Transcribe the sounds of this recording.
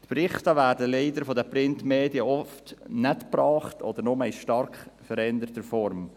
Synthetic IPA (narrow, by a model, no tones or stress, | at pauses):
tpɾɪχtəʋæːɾdəlɛɪdəɾfɔdɛpɾɪntmeːdiəɔftnɛtpɾɑːχtʰɔd̥əɾnʊməɪʃtɑɾkχfəɾɛnd̪əɾtəfɔɾm